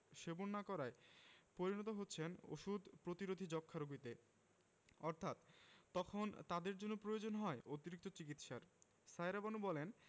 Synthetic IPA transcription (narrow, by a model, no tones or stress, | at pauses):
ʃebonːakɔɾaepoɾinɔt̪oɦotːɕʰeno̰ʃud̪ʱpɾot̪iɾod̪ʱid͡ʑɔkʰːaɾoɡit̪e | ɔɾt̪ʰat̪ːɔkʰont̪ad̪eɾd͡ʑonːopɾojod͡ʑonɦɔeot̪iɾik̚t̪ot͡ɕikit̪ʃaɾ | sajɾabanubɔlen